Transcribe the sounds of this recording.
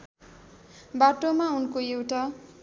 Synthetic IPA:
baʈomaunkoewʈa

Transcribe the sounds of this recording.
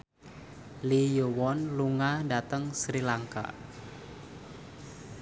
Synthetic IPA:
lijowɔnluŋadat̪əŋsɾilaŋka̰

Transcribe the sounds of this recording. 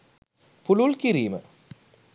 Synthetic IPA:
pululkiɾiːmə̰

